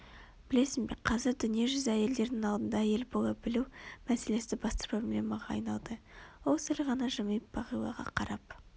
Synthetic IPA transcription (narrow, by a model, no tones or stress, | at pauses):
b̥ɪle̞sɪnbeqʰɑzɪɾd̪ʏnijeʒʏzæje̞ld̪e̞ɾd̪ɪŋɑlˠd̪ənd̪ɑje̞lbolˠɑbɪlumæse̞le̞sɪd̪ɪbɑst̪ə̥pʰro̞blʲe̞mɑʁɑ̰ːjnɑlˠd̪əwo̞lˠsɪlʁɑnɑʒəməjp̚b̥ɑʁijlˠɑ̰ʁɑ̰qʰɑɾɑp̚